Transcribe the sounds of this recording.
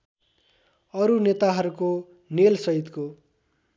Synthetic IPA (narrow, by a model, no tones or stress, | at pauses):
ʌɾunet̪aɦʌɾuko | nelsʌɦit̪ko